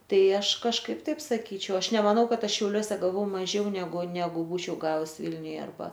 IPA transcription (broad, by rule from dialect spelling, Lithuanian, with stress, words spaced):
ˈtɐɪ ˈɐʃ kɐʃˈkɐɪp ˈtɐɪp sɐˈkʲiːt͡ʃʲɛʊ ˈɐʃ nʲɛmɐˈnɐʊ ˈkɐt ˈɐʃ ʃʲɛʊˈlʲuɔsʲɛ ɡɐˈʋɐʊ mɐˈʒʲɛʊ nʲɛˈɡʊ nʲɛˈɡʊ ˈbuːt͡ʃʲɛʊ ˈɡɑːʋʊs ˈʋʲɪlʲnʲʊjɛ ɐrˈbɐ